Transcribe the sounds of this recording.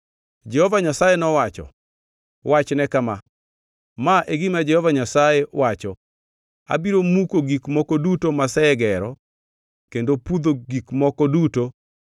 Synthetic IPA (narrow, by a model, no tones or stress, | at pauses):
d͡ʒɛhɔvaɲasajenɔwat͡ʃɔ̰ | wʔat͡ʃnɛkama | maʔeɡimad͡ʒɛhɔvaɲasajɛwat͡ʃɔ | a̰biɾomukoɡikmɔkɔdutomasɛɡɛɾɔ | kendopud̪oɡikmɔkɔduto